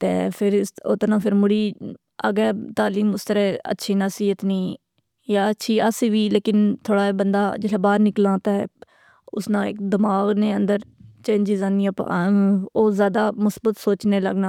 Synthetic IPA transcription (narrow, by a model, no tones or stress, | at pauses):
t̪ḛːpʰɪɾsoːt̪nãːpʰɪɾmʊɽiː | ə̰ɡɛːt̪aːliːmʊst̪əɾɛːə̰tːʃʰiːnasiːɦət̪niː | jaːətːʃʰiːəsiːʋiːleːkɪnt̪ʰoːɽaːbənd̪aːd͡ʒɪlaːbaːɾnɪklãːt̪ɛː | ʊsnãːɪ̰kd̪ɪmaːɡnẽːənd̪əɾt͡ʃẽːɲd͡ʒɪzaːnĩːəpː | oːzjaːd̪aːmʊsbət̪soːt͡ʃneːlə̰ɡnãː